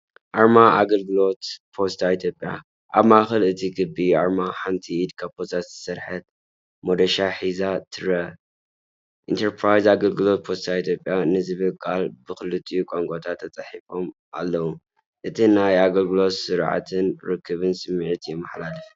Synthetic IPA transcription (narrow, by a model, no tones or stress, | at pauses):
ʔaɾmaʔaɡɐlɡɨlo̞t̪pʰo̞st̪ʰait̪ʰjopʼja̰ | ʔaβmaxɐlɨt̪ʰiɡɨbiaɾmaħant̪ʰiːd̪kʰapʰost̪ʰat̪z̥ɨsɐɾħɐt̪̚ | mod̪ɐʃaħizat̪ʰɨɾɐ | ʔḭnt̪ʰɐɾpʰɾajzaɡɐlɡɨlo̞t̪̚pʰo̞st̪ʰait̪ʰjo̞pʼjanɨzɨβɨlkʼʰalbɨxɨlɨt̪ʼːijukʷʼaŋkʼot̪ʰat̪ʰːɐt͡sʼɐħifo̞m | ʔa̰lːɐwu | ʔɨt̪ʰinajaɡɐlɡɨlo̞t̪sɨɾʕa̰t̪ʰɨnɾɨkʰːɨβɨnsɨmːiʕt̪jɛmːɐħlalɨf